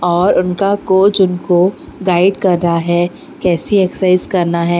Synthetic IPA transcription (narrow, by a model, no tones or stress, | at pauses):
ɔːɾʊnkakoːd͡ʒʊnkoɡaːɪɖkɐɾːɦaɦɛː | kɛːsieksaɪzkɐɾnaɦɛː